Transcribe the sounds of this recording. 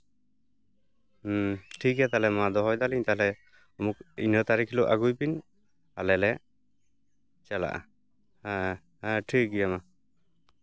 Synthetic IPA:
ʈʰikɛt̪alɛmad̪ɔɦɔjd̪aliɲt̪alɛ | ɔmuk̚ḭnət̪aɾikʰluʔaɡujpin | alɛlɛ | t͡ʃɛla̰ʔa̰ | ʈʰikɡijama

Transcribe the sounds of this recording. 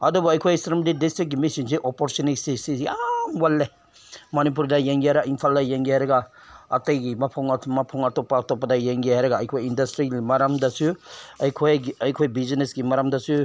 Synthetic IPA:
ɐdubuɐjkʰojstɾimdidistɾik̚ɡimisinsiʔopɔɾsonisisisamwalːe | mɐnip̬uɾdɐjeŋɡiajɾɐɡainpʰaldɐjeŋɡiajɾɐɡa | ɐtejɡimɐpʰɔŋmɐpʰɔŋɐtopːaːtɔp̬ːɐdɐjeŋɡiɦajɾɐɡaːjkʰojindɐstɾiɡimɐɾɐmdɐsuɐjkʰojɐjkʰojbizinesɡimɐɾɐmdɐsu

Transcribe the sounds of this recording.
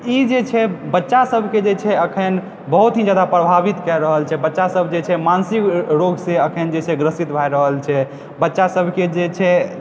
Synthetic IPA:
id͡ʒet͡ʃʰɛbətːʃasəbʱked͡ʒet͡ʃʰɛəkʰən | bəɦut̪ɦĩd͡ʒad̪apɾəbʱabit̪kɛɾəɦəlt͡ʃʰɛbətːʃasəbʱd͡ʒet͡ʃʰɛmansikɾoɡsẽəkʰənd͡ʒet͡ʃʰɛɡɾəsit̪bʱajɾəɦəlt͡ʃʰɛ | bətːʃasəbʱked͡ʒet͡ʃʰɛ

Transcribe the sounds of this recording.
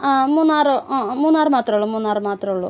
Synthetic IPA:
muːnaːɾumuːnaːɾmaːt̪ɾɐɭumuːnaːɾumaːt̪ɾɐɭṵ

